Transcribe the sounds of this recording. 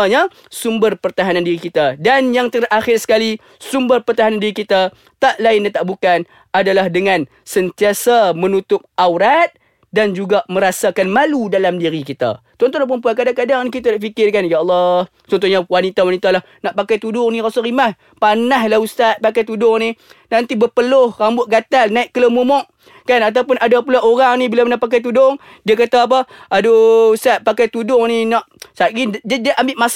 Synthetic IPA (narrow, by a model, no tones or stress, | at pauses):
ɲa | sumbərpərt̪aɦanandiɾikit̪adanjaŋt̪əraxɪrsə̥kali | sumbərpərt̪aɦanandiɾikit̪a | t̪aʔlaɪndat̪aʔbukan | adalahdəŋãn | sənt̪iasamənut̪ʊp̚ʔawɾat̪̚ | dand͡ʒuɡamə̃ɾasakanmaludalamdiɾikit̪a̰ | t͡ʃɔnt̪ɔnap̬əmpuankadaŋkadaŋnkit̪adaʔfikɪrkanjaʔɑlˠːɑh | t͡ʃɔnt̪uɲawanit̪awanit̪alah | naʔpakajt̪udʊŋnĩɾasaɾimah | panaɦlahust̪at̪̚pakajt̪udʊŋninant̪ibəpəlʊhrambʊʔ̚ɡat̪alnaɪʔkələmumɔʔ | kanat̪̬awpʊnadapulaʔoɾaŋnĩbilanaʔpak̬ajt̪̬udʊŋ | diak̬at̪aap̬aadoust̪at̪̚pakajt̪udʊŋninaʔsaʔɡindadəʔambɪʔmas